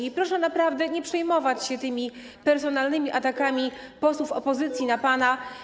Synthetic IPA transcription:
ipɾɔʂɛnapɾavd̪ɛɲɛpʂɛjmɔvat͡ɕɕɛt̪ɘmʲi | pɛɾsɔn̪alnɘmʲiʔat̪akamʲipɔswufɔpɔzɘt̪sʲjinapana

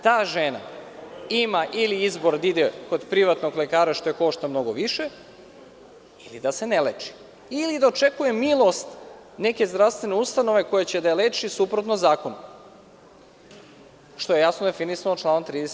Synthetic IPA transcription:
t̪aːʒena̰ | imaʔiliizboɾd̪id̪eko̞d̪pɾiʋat̪noɡlekaːɾaʃt̪o̞jeko̞ʃt̪amno̞ɡo̞ʋiʃe | ilḭd̪ase̞nelet͡ʃi̥ | ilid̪aot͡ʃekuje̞milˠo̞st̪ | ne̞ke̞zd̪ɾaʋst̪ʋe̞neust̪ano̞ʋe̞ko̞jet͡ɕe̞d̪alet͡ʃisupɾot̪nozaːko̞nu | ʃt̪o̞je̞jasnod̪e̞finisanot͡ʃlˠaːnot̪ɾiːd̪es

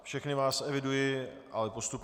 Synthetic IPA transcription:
fʃɛxnɪvaːsɛvɪdujɪʔalɛpost̪up

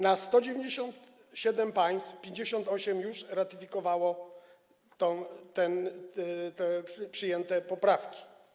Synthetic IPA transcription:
nast̪ɔd͡ʑevʲeɲd͡ʑeɕɔnt̪ | ɕɛd̪ɛmpaj̃st̪fpʲjeɲd͡ʑeɕɔnt̪ɔɕɛmjuʂɾat̪ɘfʲikɔvawɔ | t̪ɔ̃t̪ɛn | t̪ɛʂpʂɘjɛnt̪ɛpɔpɾafkʲi̥

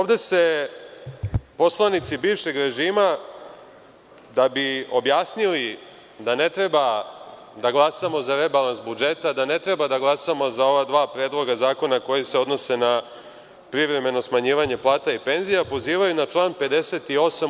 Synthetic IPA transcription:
oʋd̪e̞se̞ | po̞slˠanit̪sibiːvʃe̞ɡɾeʒiːma | d̪abio̞bjaːsnili | d̪ane̞t̪ɾe̞ba | d̪aɡlˠasamo̞zaɾe̞balˠansbud͡ʒe̞t̪ad̪ane̞t̪ɾe̞bad̪aɡlˠasamo̞zao̞ʋad̪ʋaːpɾe̞ːd̪lˠo̞ɡazaːko̞nako̞jeseo̞d̪no̞se̞na | pɾiʋɾe̞me̞no̞smaɲiːʋaɲe̞plˠaːt̪aipe̞nzijapo̞ziːʋajunat͡ʃlˠaːnpe̞d̪e̞se̞t̪io̞sam

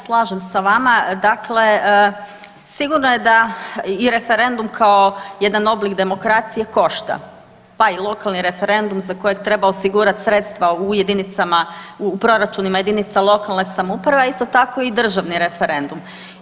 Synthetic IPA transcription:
slˠaːʒemsaʋamad̪akle | siɡuɾnoje̞d̪aiɾe̞fe̞ɾe̞nd̪umkʰao̞je̞d̪ano̞blikd̪e̞mo̞kɾat̪sije̞ko̞ʃt̪a̰ | pailˠo̞kalˠniɾe̞fe̞ɾe̞nd̪umzako̞jet̪ɾe̞baosiɡuːɾat̪sɾet̪st̪ʋauje̞d̪init̪samaupɾo̞ɾat͡ʃunimaje̞d̪init̪salˠo̞kalˠne̞samoupɾaʋe̞aist̪o̞t̪ako̞id̪r̩ʒaʋniɾe̞feɾe̞nd̪um

